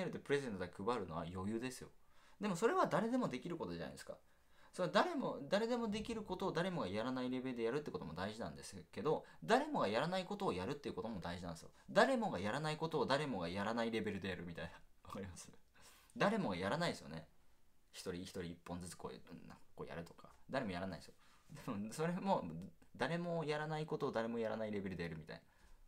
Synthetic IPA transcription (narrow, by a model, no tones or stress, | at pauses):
eɾɯ̟t̪ːepɯ̟ɾe̞zẽ̞nt̪od̪akʰɯ̟baɾɯ̟no̞a̰jo̞jɯ̟ːd̪e̞sɨjo̞̰d̪e̞mo̞so̞ɾe̞βad̪aɾe̞d̪e̞mo̞d̪e̞kʲiɾɯko̞t̪o̞d͡ʑean̰d̪eska̰ | sond̪aɾe̞mo̞d̪aɾe̞d̪e̞mo̞d̪e̞kʲiɾɯ̟ko̞t̪o̞ːd̪aɾe̞mo̞ɡajaɾanaiɾe̞be̞ɾɯd̪e̞jaɾɯ̟t̪ːeɯko̞t̪o̞mo̞d̪aiʑinã̰nd̪e̞sɨ̥ke̞d̪o̞d̪aɾe̞mo̞ɡajaɾanaiko̞t̪oːjaɾɯ̟t̪ːe̞iɯ̟ko̞t̪o̞mo̞d̪aiʑinã̰nd̪esɨjo̰d̪aɾe̞mo̞ɡajaɾanaiko̞t̪o̞ːd̪aɾe̞mo̞ɡajaɾanaiɾe̞be̞ɾɯ̟d̪e̞jaɾɯmʲit̪ainaakoɾimasɨ̥ | d̪aɾe̞mo̞ɡajaɾanaid̪esɨjo̰ne̞̰ | çi̥t̪o̞ɾʲiçi̥t̪o̞ɾʲiːpːõ̞nd͡zɨt͡sɨ̥ko̞̰na̰ko̰ːja̰ɾɯ̟t̪o̞̥kḁ̰d̪aɾe̞mo̞jaɾana̰ḭd̪esɨjo | d̪amɯ̟̃so̞ɾe̞mo̞d̪aɾe̞mo̞jaɾanaiko̞t̪o̞ːd̪aɾe̞mo̞jaɾa̰naiɾe̞be̞ɾɯ̟d̪e̞jaɾɯ̟mʲit̪a̰ina